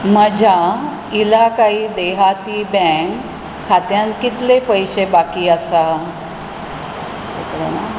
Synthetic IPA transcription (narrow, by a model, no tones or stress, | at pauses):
məd͡ʑʱa | ilakaɦiːd̪eɦat̪ibɛ̃kʰː | at̪jãnkit̪lepəjɕebakiːəsa | ḛkɾo̰na